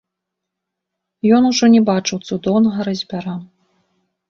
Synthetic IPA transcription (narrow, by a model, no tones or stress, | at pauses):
jɔnuʐɔnʲɛbat͡ʂɨwt̪sud̪ɔwnɐɣɐɾɐzʲbʲaɾa